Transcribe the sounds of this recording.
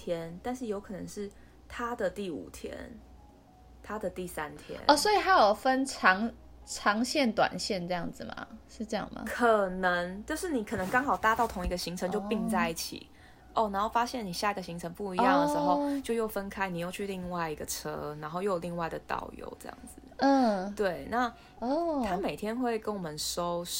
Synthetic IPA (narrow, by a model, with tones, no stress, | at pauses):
t̪ʰjɛ˦nt̪a˥˧nʂɻ̩˥˩jo˧˥ʊkʰɤ˨˩nə̰˧˦ŋʂɻ̩˥˩ | t̪ʰa˦d̪ə˨t̪i˥˩ṵ˨˩t̪ʰjɛ̰˦˥n | t̪ʰa˥d̪ə˨t̪i˥˩sa˦nt̪ʰjɛ̰˦˥nɔ˥˨˩swo˧˥i˨˩ha˧˦˥jo˨˩ʊfə˦nʈ͡ʂʰɑ˧˥ŋ | ʈ͡ʂʰɑ˧˥ŋɕjɛ˥˩nt̪wa̰˨˩nɕjɛ˥˩˨nʈ͡ʂɤ˥˧jɑ˥˩ŋd͡z̩˨˩ma̰˨˩ʂɻ̩˥˧ʈ͡ʂɤ˥˧jɑ̰˥˩ŋma̰˩kʰə˨˩nə˧˦ŋt͡ɕo˥˧ʊʂɻ̩˥˩ni˨˩kʰɤ˨˩nə˧˦ŋkɑ˥ŋxɑ˨˩ʊt̪a˥˧t̪ɑ˥˩ʊt̪ʰʊ˧˥ŋi˧˥ɡə˧ɕi˧˥ŋʈ͡ʂʰə˧˦ŋt͡ɕjo˥˧pi˥˧ŋt͡sa˥˧ɪi˥˩t͡ɕʰḭ˨˩˦ | ʔɔ˥˩na˧˥nho˥˩ʊfa˦˥ɕjɛ˥˩ni˨˩ɕja˥˩i˧ɡə˩ɕi˧˥ŋʈ͡ʂʰə˧˥ŋpu˥˩i˧jɑ˥˩ŋ˨d̪ə˩ʂ̩˧˦xo˥˧ʊt͡ɕjo˥˧ʊjo˥˩ʊfə˦nkʰa˥ɪni˨˩jo˥˧ʊt͡ɕʰy˥˧li˥˧ŋwa˥˩ɪi˧˥ɡə˨ʈ͡ʂʰɤ̰˦˥na˧˥nxo˥˧ʊjo˥˩jli˥˧ŋwa˥˩ɪd̪ə˩t̪ɑ̰˨˩ʊjo̰˧˦ʊʈ͡ʂɤ˥˧jɑ̰˥˩ŋd͡zɨ˨˩˥t̪we˥˩ɪna˥˨ | ɔ˥˩t̪ʰa˦˥me˨˩ɪt̪ʰjɛ˥nxwe˥˩ɪkə˥nwɔ˨˩mə˨nʂo˦ʊ